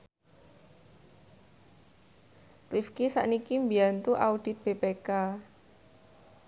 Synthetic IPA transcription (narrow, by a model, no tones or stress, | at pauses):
rifkisa̰ʔnikimbiant̪uʔaud̥i̤t̪̚b̥epeka